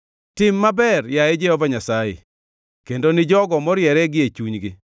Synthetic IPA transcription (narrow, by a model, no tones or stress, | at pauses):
tɪmːabɛrjaed͡ʒeɔvaɲasajḛ | kendonɪd͡ʒɔɡɔmɔɾjɛɾɛɡɪet͡ʃuɲɡɪ